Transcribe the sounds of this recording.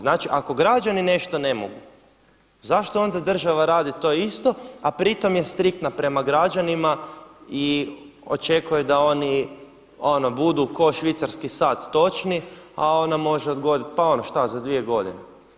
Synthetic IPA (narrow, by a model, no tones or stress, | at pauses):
znaːt͡ʃiʔako̞ɡɾad͡ʒanine̞ʃt̪o̞ne̞mo̞̰ɡu | zaʃt̪oo̞nd̪ad̪r̩ʒaʋaɾaːd̪it̪o̞ːist̪o̞apɾit̪o̞mje̞st̪ɾik̚t̪napɾe̞maɡɾad͡ʒanimai | o̰t͡ʃe̞kujed̪ao̞ni | o̞no̞bud̪uko̞ʃʋit̪saɾskisaːt̪ːo̞t͡ʃniao̞namo̞ʒeod̪ɡo̞d̪it̪̚pao̞noʃt̪azad̪ʋie̞ɡo̞d̪ḭnḛ